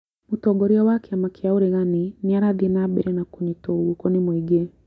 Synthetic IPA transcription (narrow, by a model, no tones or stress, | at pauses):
mutɔɡɔɾiɔwakɛamakiauɾeɣaniniaɾaðinabɛ̰ɾɛnakunitɔɣukɔnimwiɡɛ